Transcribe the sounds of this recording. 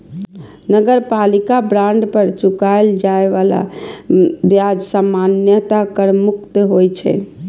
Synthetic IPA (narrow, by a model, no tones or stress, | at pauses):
nəɡəɾpalikabɾãɳɖpəɾt͡ʃukaɪld͡ʒaeʋala̰ | bjad͡ʒsamanjət̪akəɾmukt̪ɦojt͡ʃʰɛ̰